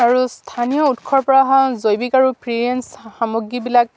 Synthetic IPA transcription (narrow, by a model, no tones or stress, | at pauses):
aɹustʰanijɔutkʰɔɹpɔɹaɦãzojbikaɹupɹiɹensxamuɡibilak̚